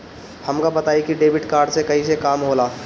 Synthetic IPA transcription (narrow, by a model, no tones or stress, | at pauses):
hɐmkabɐt̪aːikiɖeːbɪʈkaːɾɖsekɐɦisekaːmɦoːlaː